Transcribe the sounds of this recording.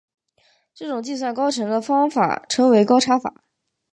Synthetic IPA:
ʈ͡ʂɤ˥˩ʈ͡ʂʊ˨˩ŋt͡ɕi˥˧s̬wa˥˩nkɑ˥ʊʈ͡ʂʰɤ˧˥ŋd̪ə˧fɑ˥ŋfa̰˨˩ʈ͡ʂʰɤ˧˥ŋwe˧˥ɪkɑ˥ʊʈ͡ʂʰa˥fa̰˨˩˦

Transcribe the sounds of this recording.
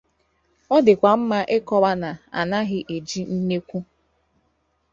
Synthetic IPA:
ɔ˦dɪ˨kʷa˨m̩˦ma˦ʔɪ˦kɔ˦wa˦na˨a̰˨na˦ɦɪ˦ʔe˨d͡ʒi˦n̩˦ne˦kʷu˦

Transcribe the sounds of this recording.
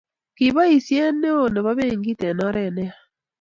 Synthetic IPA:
ki˨βa˦i˨sje˦ne˦o˦˨ne˨βa˦βe˦ŋɡi˦te˨nɔ˦ɾɛ˨nɛ˦a˨

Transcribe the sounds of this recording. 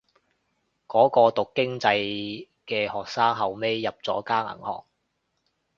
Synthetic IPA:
kɔː˨˥kɔː˧t̪ʊ˨kːɪ˥ŋt͡sɐ˧j | kɛː˧hɔː˨k̚saː˥ŋɦɐ˨wme˥jːɐ˨p̚t͡sɔː˨˥kaː˥ŋɐ̰˨˩ŋhɔ̰ː˨˩k̚

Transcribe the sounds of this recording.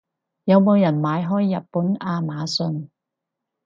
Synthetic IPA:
jɐ˨˧wmo˨˧wjɐ˨˩nmaː˨˧jɦɔː˥jːɐ˨t̚puː˨˥naː˧maː˨˧sɵ˧n

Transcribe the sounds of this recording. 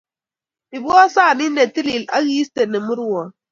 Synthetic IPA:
i˨bu˦ɔ˦saː˦˨ni˦ne˨ti˦li˨la˦ɣi˦ste˨ne˨mɨ˦ɾu˦ɔ˨

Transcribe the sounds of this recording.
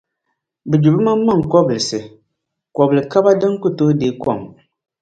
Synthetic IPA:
bɨ˨d͡ʒu˨bɨ˦maː˦a˦˨ŋ˨kɔ˦bɨ˨lɨ˨sɨ˨ | kɔ˨bɨ˨lɨ˨ka˦ba˦dɨ˦ŋ˦ku˦toː˦deː˨˦kɔ˦˨ŋ

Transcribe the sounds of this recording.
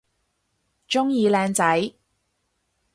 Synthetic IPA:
t͡ʃʊ˥ŋjiː˨˧lɛː˨˧ŋt͡sɐ˨˥j

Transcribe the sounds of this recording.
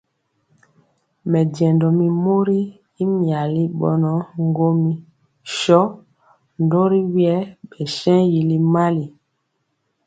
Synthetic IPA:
mɛ˨dɛ˨ndɔ˨mi˨mo˦ɾi˦ | i˦mi˨a˨li˦ɓɔ̰˨nɔ˨˦ŋ˦ɡo˦mi˦ | ʃɔ˦ | ndo˦ɾi˦wjɛ˦ɓɛ˨ʃɛ̃˦ji˨li˦ma˦li˨

